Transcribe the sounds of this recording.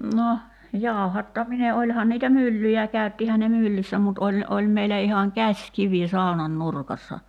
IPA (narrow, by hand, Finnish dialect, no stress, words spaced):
no jɑˑu̞hɑtːɑmine olʲhɑn niːtæ mylːyjæ kæˑy̞tːihæn̆ ne mylːysːæ mut olʲ olʲ meilæ ihɑŋ kæsʲkiʋi sɑˑonɑn nurkɑsːɑ